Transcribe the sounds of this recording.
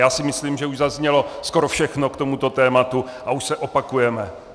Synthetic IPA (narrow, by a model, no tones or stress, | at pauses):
jaːsɪmɪsliːmʒɛuʒzazɲɛlo̞sko̞ɾofʃɛxnokt̪o̞mut̪o̞t̪ɛːmat̪u | ʔauʃsɛʔopakujɛmɛ